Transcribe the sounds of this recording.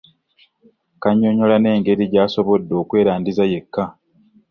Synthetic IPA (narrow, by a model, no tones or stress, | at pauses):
kaɲːo̞ɲo̞lane̞ːŋɡe̞ɾiɟaːso̞βo̞dːo̞ːkwe̞ːɾaːndizaje̞kːa